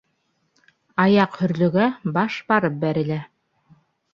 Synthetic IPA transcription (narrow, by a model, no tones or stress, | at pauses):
ɑjɑqhɵ̆ɾlɵ̆ɡæbɑʃbɑɾɤp̚bæɾɘ̆læ